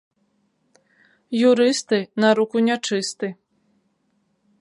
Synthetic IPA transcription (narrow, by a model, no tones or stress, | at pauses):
juɾɨst̪ɨnɐɾukunʲɛt͡ʂɨst̪ɨ